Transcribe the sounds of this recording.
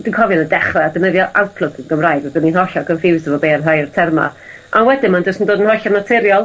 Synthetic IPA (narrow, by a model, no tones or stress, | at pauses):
d̥inkʰɔvjɔnədɛχrɛadənəðjɔʔawtpʰlˠʊkʰənɡəmrajdɛbəninɦɔɬɔkənfɪwsəvɔbeːnrajrtʰɛrma̰ | ʔanwɛdɪnmand͡ʒʊstəndoːdənhɔɬɔnatʰɪɾjɔlˠ